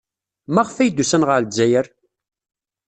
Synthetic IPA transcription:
mæʁfæjd̪ːusænʁəɾd͡ʒːæjəɾ

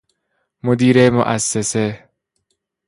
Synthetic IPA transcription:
mod̪iːɾemo̰ʔæsːese

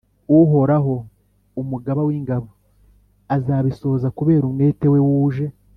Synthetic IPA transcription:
uɦo̞ɾaɦo̞ | umuɡaβawiːŋɡaβo | azaːβiso̞ːzakuβe̞ːɾumne̞ːte̞we̞wuːʒe̞

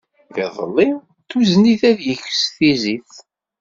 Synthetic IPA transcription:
ðḛðˤə̰lːi | t̪uzniθæðjəçə̥sθiziθ

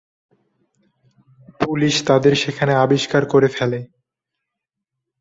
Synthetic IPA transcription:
puliʃt̪ad̪eɾʃekʰaneabiʃkaɾkoɾefɛle

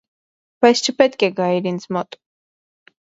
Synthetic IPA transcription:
b̥ɑjst͡ʃʰəpɛt̪kɛɡɑiɾint͡sʰmɔt̪ʼ

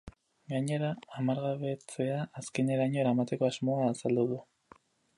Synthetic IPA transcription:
ɡaɲe̞ɾaːmaɾɣaβe̞t͡se̞aʔːske̞ne̞ɾaɲo̞ɾamat̪e̞ko̞azmo̞aːsald̪uðu

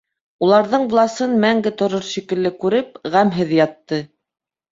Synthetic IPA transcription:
ulˠɑɾðɤɴvlˠɑsɤnmæŋɡɘt̪ŏɾɤɾʃikɘ̆lːɘkʉɾɘpʁæmɦɘðjɑt̪ːɤ

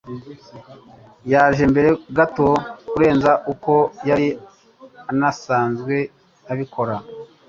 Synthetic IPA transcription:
jaːʒe̞mbe̞ɾe̞ɡato̞kuɾe̞ːnzaʔuko̞jaɾi | anasaːnzɡwe̞ | aβikʰo̞ɾa

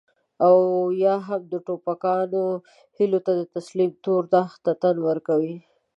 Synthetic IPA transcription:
awjɑɦamd̪əʈopakɑno | hilot̪ad̪ət̪aslimt̪oɾt̪axt̪at̪anwəɾkawi

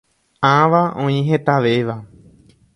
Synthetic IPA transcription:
ãʋaʔõĩɦe̞t̪aʋeʋa

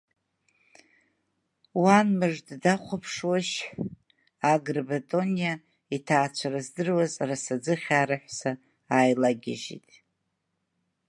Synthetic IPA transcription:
wanmɨʐddaχʷapʰʂwaʃħ | aɡrbatʼo̞nija | itʰaːt͡ʃʷʰaɾazdɨrwazrasad͡zɨχʲaːɾaħʷsa | ajlaɡʲa̰ʒḭtʼ

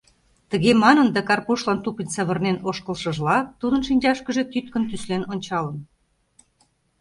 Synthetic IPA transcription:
t̪ə̆ɣemɑnənd̪ækɑrpuʃlɑnt̪upinʲsəβə̆rnenoʃkə̆lʃə̆ʒlɑt̪ud̪ənʃinʲd͡ʑɑʃkə̆ʒĕt̪yt̪kə̆nt̪yslenonʲt͡ɕɑlə̆n

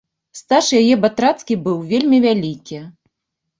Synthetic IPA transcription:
st̪aʂjajɛbat̪ɾat̪skʲibɨwvʲelʲmʲivʲalʲikʲi

